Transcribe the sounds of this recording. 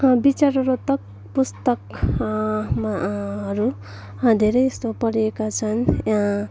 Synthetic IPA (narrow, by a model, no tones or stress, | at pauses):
bit͡saɾʌɾot̪ʌk̚ | pust̪ʌk | maɦʌɾu | d̪ʱeɾʌjest̪opʌɾiekat͡sʰʌnjaã